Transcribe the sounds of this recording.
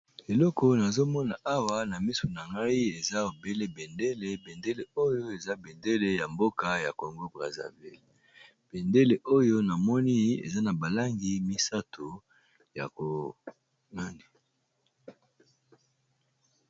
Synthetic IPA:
e˨lɔ˦kɔ˨na˨zo˦mɔ˦na˨ʔa˦wa˦na˨mi˦so˨na˨ŋɡa˦i˦e˨za˦o˨be˦le˦be˨nde˦le˨be˨nde˦le˨o˦jo˦e˨za˦be˨nde˦le˦ja˨mbo˦ka˨ja˨ko˨ŋɡo˦bʁa˨za̰˨vi˦˨l | b̥e˨nde˦le˨ʔo˦jo˦na˨mɔ˦ni˦ḛ˨za˦na˨ba˨la˦ŋɡi˦mi˦sa˦tʰo˨ | ja̰˨ko˨ | na˦ndi˨

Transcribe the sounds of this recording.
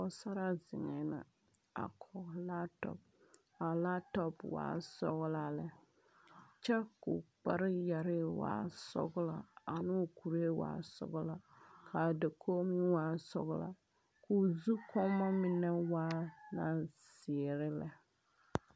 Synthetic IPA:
ɔ˨sa˦ɾa˦zɪ˨ŋɛ˨na̰˨ | a̰˨kʰɔ˨ɣla˦tɔ̰˨p̚ | a˨la˦tɔ˦pwa̰ː˨˦sɔ̰˦ɣla˨lɛ˦ | t͡ʃɛ˦kṵ˨k͡pa˦ɾɪ˦ja˨ɾɪ˦wa̰ː˦sɔ̰˦ɡʊ˦la̰˨a˨nɪ˦˨ku˨ɾe˦wa̰ː˨˦sɔ̰˨ɡʊ˦la˦kʰa˨dɛ˨kʰo˦mi˦waː˦sɔ̰˨ɣla̰˨ | kʰu˨zu˦kʰɔ˦mːa˦mɪ˦nɛ˦waː˦na˨sɪ˨ɛ˨ɾɪ˦lɛ˨

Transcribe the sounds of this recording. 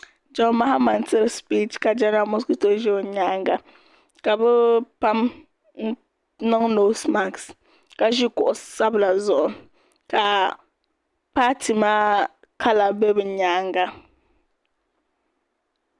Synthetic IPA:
d͡ʒɔ˦nma˦ha˦ma˨ntɛ˦ɾspi˦tka˨d͡ʒa˦na˨mo˦sku˦to˨ʒɛ˦o˨ɲa˦ŋɡa˦ | ka˨bʊ˦pa˦m˦ | nɔ˦ŋno˨˦sma˨ks | ka˨ʒi˦kɔ˨ʔsa˦bla˨zɔ˨ | ka˨ | pa˦tʰi˨maː˦ | kʰa˦la˨bɛ˦bɨ˨ɲaː˦ŋɡa˦

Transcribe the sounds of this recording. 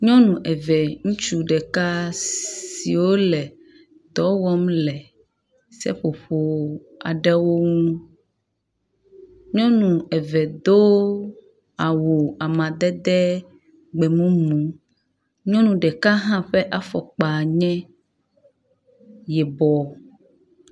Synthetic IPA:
ɲɔ̃˦nũ˨ʔɛ˨vɛ˨ŋũ˦t͡ʃu˦ɖɛ˨ka˦ | sḭ˨wo˦lɛ˨ | d̪ɔ˦wɔ˦mlɛ˨ | sɛ̰˦ɸo˨ɸo˦ | a̰˨ɖɛ˦wo˦ŋũ˦ | ɲɔ̃˦nũ˨ɛ˨vɛ˨d̪o˦ | a˨wo˨a˨mã˨d̪ɛ˦d̪ɛ˦ | ɡ͡bɛ˨mũ˦mũ˨ | ɲɔ̃˦nũ˨ɖɛ˨ka˦ɦã˦ɸɛ˦ʔa˦fɔ˨k͡pa˨ɲɛ̃˦ | jɛ˨bɔ˨

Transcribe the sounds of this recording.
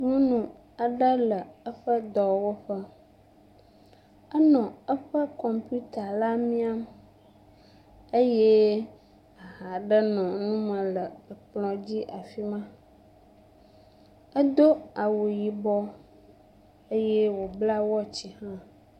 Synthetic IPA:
ŋũ˦nũ˨ | a˨ɖə˦lə˨ə˦ɸə˦d̪ɔ˨wo˦ɸə˦ | ə˦nɔ̃˨ə˦ɸə˦kɔ˨mpu˦t̪a˨la˦mĩ˦a˦m | ə˦jɛ˦ | a˨ɦa˨ɖə˦nɔ̃˨nũ˦mə̃˨lə˨ə˨k͡plɔ̃˨d͡ʑi˦ʔa˨fi˦mã˦ | ə˦d̪o˦a˨wo˨ji˨bɔ˦ | ə˦jɛ˦wo˨bla˦wɔ˦t͡ɕi˨hã˦

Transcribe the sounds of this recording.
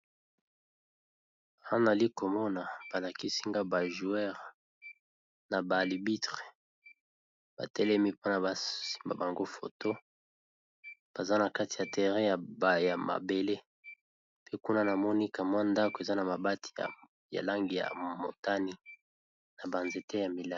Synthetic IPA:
ã˦na˨li˦ko˨mɔ˦na˨b̥a˨la˨ki˦si˦ŋɡa˦ba˨ʒu˨ɛ˦ʁa˨ | na˨ba˨li˨bi˦tʁe̥˨ | ba̰˨tɛ˦lɛ˦mi˦po˦na˨ba˨i̥˦mba˨ba˨ŋɡo˦fo̰˨to˦ | b̥a˨za˦na˨ka˦ti˨ja˨tʰɛ˨ʁɛ˦ja˨bja˨ma̰˨be˨le˦ | pe˦ku˦na˦na˨mɔ˦ni˦ka˨mwa˦nda˦ko˨e˨za˦na˨ma˨ba˦tʰi̥˨ja̰˨ | ja̰˨la˦ŋɡi˨ja̰˨mo̰˨ta˦ni˦ | na˨ba˨nze˨te˦ja˨mi˨la˦

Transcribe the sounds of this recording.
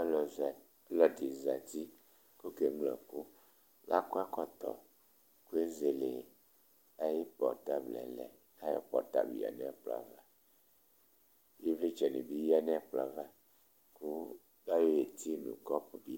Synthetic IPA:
l | lɔ˨di˨za˨t̪i˦ | ko˦ke˨mlɔ̰˨ku˦ | lʔa̰˦ko˦a˦kɔ˦t̪ɔ̰˨ | ku˦e˦ze˨le˨ | a˦ji˦pɔ̰˨ɾt̪a˦blɛ̰˨lɛ̰˨ | a˦jɔ̰˦pɔ̰˨ɾt̪a̰˦bḭ˨ja̰˨nɛ̃˦k͡pla̰˨va˦ | je˦vle˦t͡ʃɛ˨nḛ˨bi˦ji˦a˦nɛ˦k͡pla̰˨va˦ | ku˦ | da˦jo˦e˨t̪i˦nṵ̃˨kɔ˦pbi˦

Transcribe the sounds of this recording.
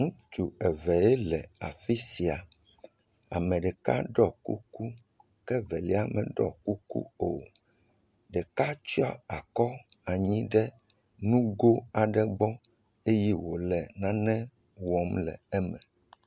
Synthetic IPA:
ŋũ˦t̪u˨ɛ˨vɛ˨ɛ˦lɛ˨a̰˨fi˦si˨a˨ | a̰˨mɛ̃˨ɖɛ˨ka̰˦ɖɔ˦˨kṵ˦ku˦ | kɛ˦vɛ˨li˦a˦mɛ̃˨ɖɔ̰˦ku˦kṵ˦o˨ | ɖɛ˨ka˦t͡ʃi˦a˦a˨kɔ˦a˨ɲĩ˦ɖɛ˦ | nũ˦ɡo˦a˨ɖɛ˦ɡ͡bɔ˦ | e˦ji˦wo˨lɛ˨nã˦nɛ̃˦ | wɔ˨mlɛ̰˨ɛ˦mɛ̰̃˨

